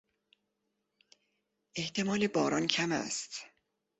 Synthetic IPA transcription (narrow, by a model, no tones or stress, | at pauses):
ʔe̞ht̪ʰe̞mɒːle̞bɒːɾɒncʰæmæ̰st̪